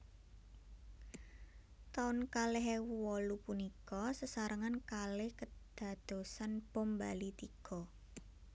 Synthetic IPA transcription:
t̪aʊnkaleɦewuwɔlupunikɔsəsaɾʔəŋankalɪhkəd̪̥ä̤d̪̥o̤sanpombalit̪iɡ̥ɔ

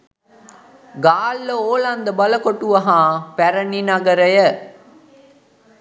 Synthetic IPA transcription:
ɡaːlːəoːlɐnd̪əbɐləkoʈuʋɐɦãːpæɾəninɐɡɐɾəjə

